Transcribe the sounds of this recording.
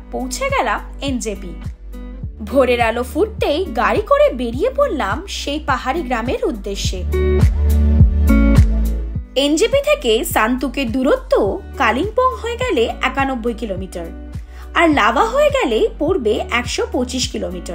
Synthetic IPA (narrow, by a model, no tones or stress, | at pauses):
powt͡ɕʰeɡɛlam | end͡ʑepi | bʱoɾeɾalofuʈ̚t̪ejɡaɾikoɾebeɾijepoɾlamʃejpaɦaɾiɡɾameɾud̪ːeʃːe | end͡ʑepit̪ʰekesant̪uked̪uɾot̪ːokaliŋpɔŋɦoeɡɛleɛkanobːojkilomiʈaɾ | aɾlabaɦoeɡɛlepoɾbeʔɛkʃopot͡ɕiʃkilomiʈaɾ